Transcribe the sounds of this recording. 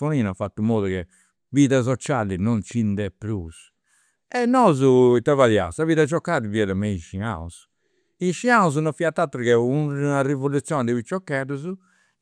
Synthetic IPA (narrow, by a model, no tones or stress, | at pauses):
oniːnafat̪ːumoːðukɛ | viːðas̬ɔt͡ʃalinɔnt͡ʃind̪ɛpːɾus | ɛnːɔːzuit̪avalja̰saviːðad͡ʒɔkːaːɾiviɛɾɛmeiʃia̰ṵs | iʃiauz̬unɔfiat̪ːat̪ːɾukɛunarivolut̪sːjɔːnɛd̪ɛβit͡ʃːɔkːɛðuzu